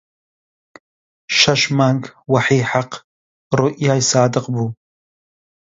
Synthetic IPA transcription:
ʃaʃmaŋkwaħiːħaq | roʔjajsaːdɨqʼbu

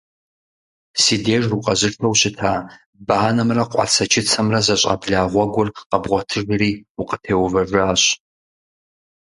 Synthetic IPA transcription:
siːdeːʒruqʼɐʑɪɬtʰowɕɪtʰaː | baːnɐmrɐqʷʼɑ̰t͡sʰɐt͡ʃʰɪt͡sʰɐmrɐzɐɕʼa̰bɮaːʁʷɔɡʷʊrqɐbʁʷɔtʰɨʒriːʊqʼə̥tʰeːwvɐʒaːɕ

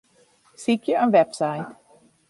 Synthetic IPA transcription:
sikjəənʋɛpsajt

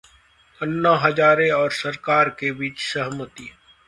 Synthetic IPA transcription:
ənːaɦɐd͡ʒaːɾeɔːɾsɐɾkaːɾkebiːt͡ʃsəɦmət̪iː

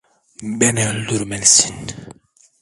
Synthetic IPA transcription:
bɛnɛluɾmɛlsi̥n

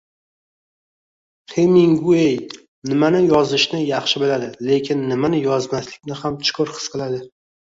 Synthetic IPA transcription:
χʰemiŋɡuej | nɪmanɪjɒzɪʃnɪjɑχʃɪbɪlad̪ɪle̞kʲʰɪnːɪmanɪjɒzmaslɪkʲnɪhamt͡ʃʰʊ̥kʰʊɾχʰɨ̥sqʰɨlˠad̪ɪ

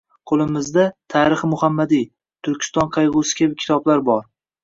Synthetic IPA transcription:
qʰolˠɪmɪzd̪at̪ʰaɾɨχmʊhamːad̪i | t̪ʰʊɾkʲʰɪ̥st̪ɒnqʰɑjʁʊsɪ̥kʲabɪkʲʰɪ̥t̪ʰɒblaɾbɒɾ

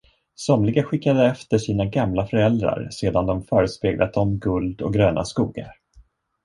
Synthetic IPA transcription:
sɔmlɪɡaɧɪkːad̪əɛft̪əʂiːnaɡamlafœɾɛld̪ɾa̰ɾseːd̪and̪ɔmfœːɾəspeːɡlʔa̰t̪ɔmɡɵld̪ɔ̰k̚ɡɾøːnʔa̰skuːɡa̰ɾ

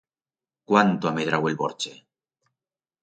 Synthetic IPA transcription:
kwant̪oameðɾawelβoɾt͡ʃe

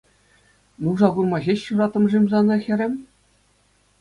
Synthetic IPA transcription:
nuʐɑɡurmɑʑʲeɕːurɑt̪ɤ̆mʐimʲzɑnɤ̆xʲɘ̆ɾʲɘ̆mʲ

